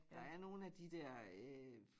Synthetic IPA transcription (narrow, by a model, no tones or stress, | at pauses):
d̥ɑ̈æɐno̝ːn̩æd̥id̥ɛɐ̰ø